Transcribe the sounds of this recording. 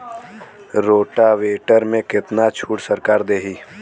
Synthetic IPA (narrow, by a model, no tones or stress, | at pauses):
ɾoːʈaʋeːʈəɾmẽkɪt̪nat͡ʃʰuːʈsəɾkaːɾd̪eːɦiː